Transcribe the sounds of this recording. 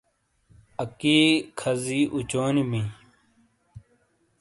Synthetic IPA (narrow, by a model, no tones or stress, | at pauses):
ɐkiːkʰɐziʔut͡ɕoːnimi